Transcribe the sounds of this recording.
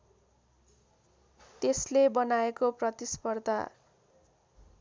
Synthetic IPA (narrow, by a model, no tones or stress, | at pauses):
t̪eslebʌnaekoprʌt̪ispʌrd̪ʱa̰